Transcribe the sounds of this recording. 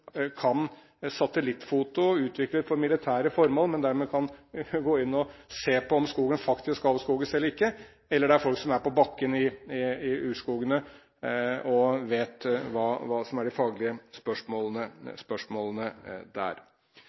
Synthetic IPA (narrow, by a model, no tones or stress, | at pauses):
kʰɑn | sɑt̪əlɪt̪ːfuːt̪ʊʉːt̪ʰʋɪklət̪fɔɾmɪlɪt̪ʰæːɾəfɔɾmoːlmɛnd̪æɾmeɛːkʰɑnɡoːɪnːɔseːpɔɔmskuːɡənfɑkt̪ɪskɑlʋ̪əskuːɡənsɛlːɾɪkːə | ɛlːəɖɛæɾfɔlksɔmæɾpɔbɑkːənɪɪɪʉːʂkuːɡənə | ɔʋeːt̪ʋɑːʋɑːsɔmæɖɪfɑːɡlɪəspœʂmoːlənəspœʂmoːlənəd̪æ̰ːɾ